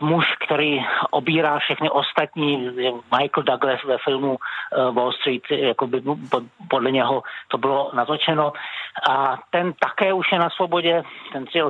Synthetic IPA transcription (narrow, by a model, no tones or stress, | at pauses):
muʃkt̪ɛɾiːʔobiːɾaːfʃɛxnɪʔost̪at̪ɲiːmajkl̩daɡlɛsvɛfɪlmuvolst̪ɾiːt̪jakobɪpodlɛɲɛɦot̪o̞bɪlonat̪ot͡ʃɛnoʔat̪ɛnt̪akɛːuʃjɛnasvobo̞ɟɛt̪ɛnz̥ɪ